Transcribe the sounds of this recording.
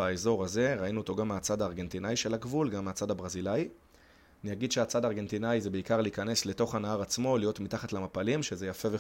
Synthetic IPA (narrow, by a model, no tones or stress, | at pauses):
aezo̞ʁaze̞ʁainuot̪o̞ɡameat͡sadaːʁɡe̞ntinajiʃe̞laɡvulɡamːeat͡sadabʁazilaji | anijaɡid̪ʃeat͡sadaːʁɡe̞ntinajzebeikaʁliːkane̞sle̞to̞χanaaʁat͡smo̞lijo̞tmitaχatlamapalimʃeze̞jafe̞ve